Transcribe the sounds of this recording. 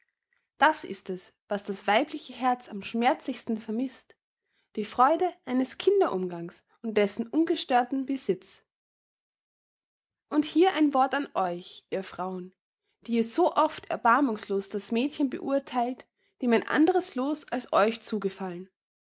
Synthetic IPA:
d̥asʔɪ̰stɛs | vasd̥asv̥aɪplɪçəɦɛɐt͡samʃmɛɐt͡slɪçstn̩fɛɐmɪst | d̥iːfʁ̥ɔʏdəʔaɪnəskʰɪndɐʔʊmɡaŋs | ʊnt̚d̥ɛsn̩ʔʊnɡəʃtøːɐtn̩bəzɪt͡s | ʔʊnthiːɐʔaɪnvɔɐtanʔɔʏçʔiːɐfʁ̥aʊən | d̥iːiːz̥oːʔɔftʰɛ̰ɐbaɐmʊŋsloːsd̥asmɛːtçənbə̰ʔuɐtʰaɪlt | d̥eːmaɪnʔa̰ndəʁəsloːsalsɔʏçt͡suːɡəfalən

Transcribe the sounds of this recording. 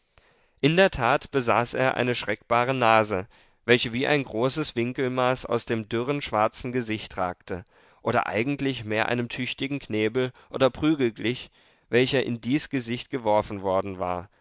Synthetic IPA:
ʔɪndeːɐtʰaːtb̥əza̰ːsʔḛːɐʔa̰ɪnəʃʁ̥ɛkb̥aːʁ̞ənaːzə | vɛlçəviːʔa̰ɪnɡʁoːsəsv̥ɪŋkl̩maːsa̰ʊsd̥eːmdʏʁənʃv̥aɐt͡sn̩ɡəzɪçtʁ̥a̰ːktə | ʔoːɾɐ̰ʔa̰ɪɡŋ̩tlɪçmeːɐʔa̰ɪnəmtʰʏçtɪɡŋ̩kʰneːbl̩ʔo̰ːdɐpʁ̥yːɡl̩ɡlɪç | vɛlçɐʔɪndiːsɡ̥əzɪçt̚ɡ̥əvɔɐfn̩vɔɐdn̩va̰ːɐ

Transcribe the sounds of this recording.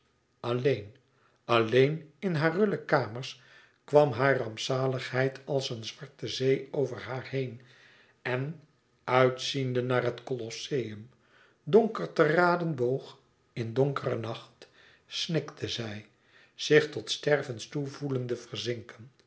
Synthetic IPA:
ɑlejn | ɑlejnɪnɦaːrɵʏləkaːməɹs | kʋɑmɦaːrɑmpsaːləχɦɛjtʰɑlˠsənzʋɑɹtəzejowvəɹɦaːɹhejn | ɛn | œɥtsindənaːrɦətkolɔsejəm | doŋkəɹtəraːdənbowχ | ɪndoŋkərənɑχt | snɪktʰəzɛj | z̥ɪχtɔtstɛrvənstuvuləndəvərzɪŋkən

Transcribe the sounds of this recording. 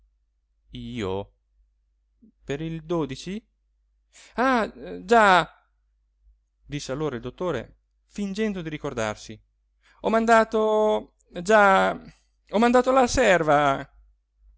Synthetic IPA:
iːo̰ | peɾild̪oːd̪it͡ʃi | ad͡ʒa | d̪isːealːoːɾaild̪ot̪ːoːɾḛ | find͡ʒɛnd̪od̪iɾikord̪a̰rsi | ɔmand̪aːt̪o | d͡ʒa | ɔmand̪aːt̪olasɛrva

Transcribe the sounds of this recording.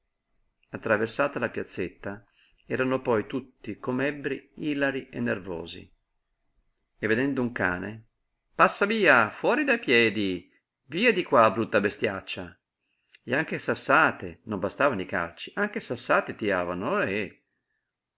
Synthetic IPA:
at̪ːɾaversaːt̪alapjat̪sːet̪ːa | ɛːɾanopɔjt̪ut̪ːikomɛbːɾiiːlaɾienːervɔ̰ːzḭ | evːed̪ɛnd̪ouŋka̰ːne | pasːaviːafwɔːɾid̪ajpjɛːd̪i | viːad̪ikwaːbɾut̪ːabest̪jat͡ʃːa | eaŋk̟esasːaːt̪enombast̪aːvanika̰lt͡ʃi̥ʔaŋk̟esasːaːt̪et̪iaːvanoe

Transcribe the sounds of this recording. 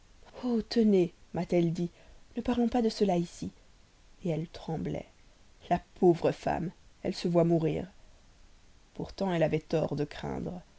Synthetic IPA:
ot̪ənemat̪ɛld̪i | nəpaʁlɔ̃pad̪əsəlaisi | eɛlt̪χɑ̃blɛ̰ | lapʰovʁəfa̰mɛ̰lsəvwamuʁḭːʁ | puʁt̪ɑ̃ɛlavɛt̪ɔ̰ʁd̪əkχɛ̰̃d̪ʁ

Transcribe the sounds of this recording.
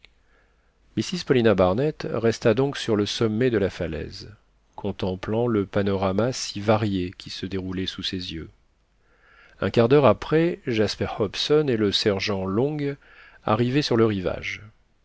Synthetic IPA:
misizpɔlinabaʁnɛt̪ʁɛst̪ad̪ɔ̃ksyʁləsɔmːɛd̪əlafalɛ̰z | kʰɔ̃t̪ɑ̃plɑ̃ləpanɔʁamasivaʁjekʲʰisəd̪eʁulɛsusezjø | ɛ̰̃kaʁd̪œʁapχɛʒaspɛʁhɔpsɔneləsɛʁʒɑ̃lɔ̃ɡ | a̰ʁivɛsyʁləʁiva̰ʒ

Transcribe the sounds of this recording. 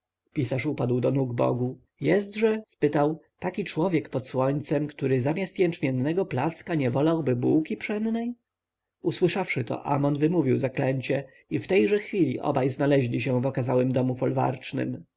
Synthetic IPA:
pʲisaʂupad̪wd̪ɔnuɡbɔ̰ɡu | jɛst̪ʐɛspɘt̪awt̪akʲit͡ʂwɔvʲjɛkpɔt̪swɔɲt̪sɛmkt̪uɾɘzamʲjast̪jɛnt͡ʂmʲjɛnːɛɡɔplat̪skaɲɛvɔlawbɘbuwkʲipʂɛnd̪nɛj | uswɘʂafʂɘt̪ɔ̰ʔa̰mɔnvɘmuvʲiwzaklɛɲt͡ɕɛ | ift̪ɛjʐɛxfʲilʲḭʔɔ̰bajznalɛʑlʲiɕɛvɔkazawɘmd̪ɔmufɔlva̰ɾt͡ʂnɘ̰m

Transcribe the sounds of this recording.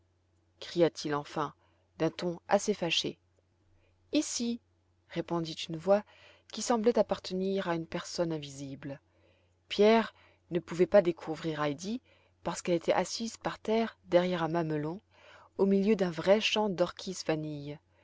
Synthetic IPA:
kχijat̪ʰilɑ̃fɛ̃ | d̪̥ɛ̃t̪ɔ̃a̰sefaʃe | isi | ʁepɔ̃d̪it̪ynvwa | kʲisɑ̃blɛt̪apaʁt̪əniʁaynpɛʁsɔnɛ̃vizibl | pjɛʁ | nəpuvɛpad̪ekʰuvʁiʁajd̪i | paʁsə̥kɛlet̪ʰɛʔasizpaʁt̪ɛʁd̪ɛʁjɛʁɛ̃maməlɔ̃ | omiljød̪ɛ̃vʁɛʃɑ̃d̪ɔʁkʲʰizvanij

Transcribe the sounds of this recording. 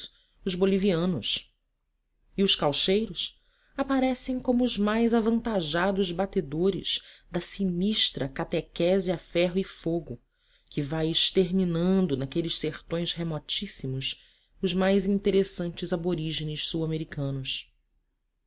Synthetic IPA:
ʊʒboliviɐ̃nʊs | iʊʃkawʃejɾʊs | apaɾɛsẽj̃kõmʊːʒmajzavɐ̃nt̪aʒad̪ʊʒbat̪ed̪oɾɪ̰z̥d̪ɐsiniʃt̪ɾɐkat̪ekɛziafɛɦʊifoɡʊ | kɪvajɪʃt̪eɾminɐ̃nd̪ʊnakelɪʃseχt̪õj̃sɦemɔt͡ʃisimʊs | ʊʒmajzĩnt̪eɾesɐ̃nt͡ʃɪzaboɾiʒenɪʃsuwameɾikʰɐ̃nʊs

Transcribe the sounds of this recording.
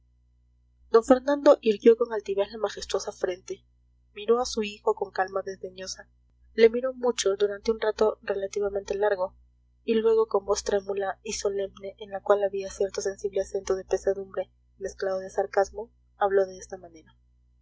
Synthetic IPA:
d̪̥o̞ɱfe̞ɾnãnd̪o̞ʔiɾɣjo̞ko̞ŋalt̪iβe̞zlamaxe̞st̪wo̞safɾe̞nt̪e̞ | miɾo̞asuixo̞ko̞ŋkalmaðe̞zðe̞ɲo̞sa | le̞miɾo̞mut͡ʃo̞d̪uɾant̪eunrat̪o̞re̞lat̪iβament̪e̞laɾɣo̞ | ilwe̞ɣo̞ko̞mbo̞st̪ɾe̞mulaiso̞le̞mne̞ʔːnlakwalaβiasje̞ɾt̪o̞se̞nsiβle̞ase̞nt̪oðe̞pe̞saðumbɾe̞ | me̞sklað̞oðe̞saɾkazmo̞ | aβlo̞ðe̞est̪amãne̞ɾa

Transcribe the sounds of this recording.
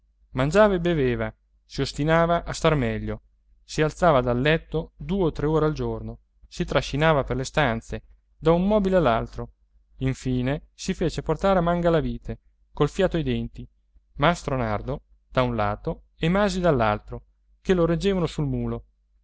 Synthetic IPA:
mand͡ʒaːvaebeveːva | siost̪inaːvaʔast̪armɛʎːo | sialt̪saːvad̪alːɛt̪ːod̪uːeot̪ːɾeoːɾeald͡ʒorno | sit̪ɾaʃːinaːvaperlest̪ant̪se | d̪aummːɔːbilealːalt̪ɾo | iɱfiːnesifeːt͡ʃeport̪aːɾeamaŋɡalaviːt̪ʰe | kolfjaːt̪oajd̪ɛnt̪i | mast̪ɾonard̪o | d̪̥aunla̰ːt̪o | emaːzid̪alːalt̪ɾo | keloɾed͡ʒːeːvanosulmuːlo

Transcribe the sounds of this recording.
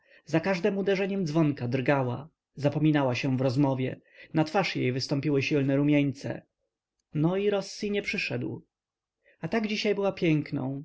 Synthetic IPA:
zakaʐd̪ɛmud̪ɛʐɛɲɛmd̪zvɔŋkad̪ɾɡawa̰ | zapɔmʲinawaɕɛ̃vɾɔzmɔvʲjɛ̰ | nat̪faʂjejvɘst̪ɔ̃mpʲiwɘɕilnɛɾumʲjeɲt̪sɛ̰ | nɔiɾɔsːiɲɛpʂɘʂɛd̪w | at̪aɡd͡ʑiɕajbɘwapʲjɛŋknɔ̰̃w̃

